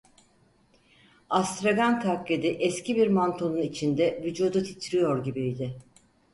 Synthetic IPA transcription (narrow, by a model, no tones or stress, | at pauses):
ast̪ɾaɡant̪ʰakled̪iʔɛscʰibiɾmant̪ʰonunit͡ʃʰind̪ɛvyd͡ʒuːd̪ut̪ʰit̪ʰɾijo̞ɾɟibijd̪ɪ